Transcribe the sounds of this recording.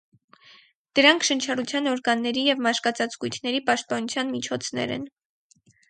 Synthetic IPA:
d̪̥əɾɑŋkʰʃənt͡ʃʰɑrut͡sʰjɑnɔɾɡɑnːɛɾijɛvmɑʃkɑt͡sɑt͡sɡujt̪ʰnɛɾipɑʃt̪̚pɑnut͡sʰjɑnmit͡ʃʰɔt͡sʰnɛ̰ɾɛ̰n

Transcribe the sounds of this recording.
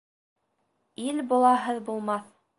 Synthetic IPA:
ilbulˠɑɦɤðbulˠmɑθ

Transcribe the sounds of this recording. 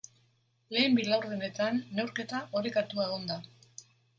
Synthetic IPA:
le̞ːmbilawɾðene̞t̪anːewɾke̞t̪aʔoɾekat̪uaɣond̪a

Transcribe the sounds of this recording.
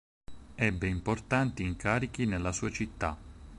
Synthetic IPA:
ɛbːeimport̪ant̪iːŋkaːɾik̟inelːasuːat͡ʃit̪ːa

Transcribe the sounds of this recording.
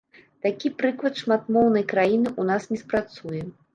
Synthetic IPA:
t̪akʲipɾɨklˠɐt̪ʂmat̪̚mɔwnɐjkɾajinɨʔunasnʲɛspɾat̪sujɛ

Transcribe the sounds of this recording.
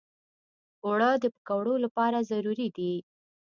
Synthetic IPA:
wɽəd̪əpə̥kawɽolapɑɾazaɾuɾid̪i

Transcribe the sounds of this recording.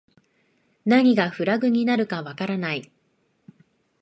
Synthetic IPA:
naɲ̟iɡaɸɯ̟ɾaɡɯ̟ɲ̟inaɾɯ̟kaβakaɾanai

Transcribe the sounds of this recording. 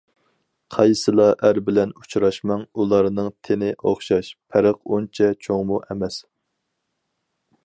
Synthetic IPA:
qʰɑjsɨlˠɑʔæɾbɪlɛnut͡ʃʰɾɑʃmɑŋulˠɑɾnɨŋt̪ʰenɪʔoχʃɑʃpʰæɾəqunt͡ʃʰɛt͡ʃʰoŋmuʔɛmɛs

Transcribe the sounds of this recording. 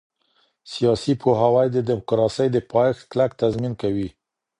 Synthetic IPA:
sijɑsipʰoɦawajd̪əd̪ɪmʊkɾɑsəjd̪əpʰɑjxklak̚t̪azminkawi

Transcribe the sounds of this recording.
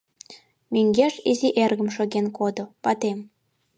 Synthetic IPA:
meŋɡeʃiziʔerɣə̆mʃoɣenkod̪opɑt̪em

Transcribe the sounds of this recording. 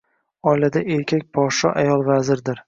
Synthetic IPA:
ɒjlad̪aʔe̞ɾkʲʰakʲpʰɒʃɒʔajɒlˠvazɪɾd̪ɪɾ

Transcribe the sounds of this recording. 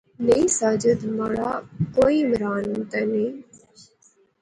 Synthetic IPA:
neĩsaːd͡ʒəd̪maːɭaːkoːimɾaːnt̪əniː

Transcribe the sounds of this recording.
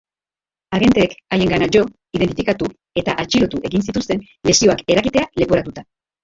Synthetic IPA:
aɣe̞nt̪e̞ːkaje̞ŋɡanaʝo̞ | iðe̞nt̪ifi̥kat̪u | e̞t̪aʔat͡ʃiɾo̞t̪uʔe̞ɣinsit̪ust̪e̞n | le̞sio̞ake̞ɾakit̪e̞ale̞po̞ɾat̪ut̪a

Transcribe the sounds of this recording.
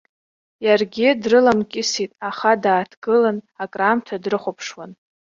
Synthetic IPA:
jarɡʲɪdrɨlamkʲʼɪsitʼaχadaːtʰɡ̥ɨlanakʼramtʰadrɨχʷapʰʂwan

